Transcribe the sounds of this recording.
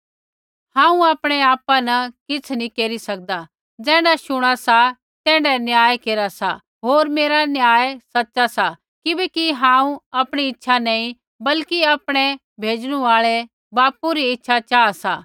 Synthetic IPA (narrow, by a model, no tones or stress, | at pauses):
hãːũaːpɽ̃eaːpanɐkɪt͡sʰnĩkeːɾisɐk̚d̪a | d͡zɛ̃ːɽaʃʊɽ̃asa | t̪ɛ̃ːɖɛnjaːjekeːɾasa̰ | ɦoːɾmeːɾanjaːjesɐtːt͡ʃasa | kɪbɛkiɦãːũapɽ̃iɪtːʃʰanɐ̃ĩ | bɐlkiaːpɽ̃ɛ | bʱeːd͡ʒɽ̃uaːɭɛ | baːpuɾiɪtːʃʰat͡ʃaːsaː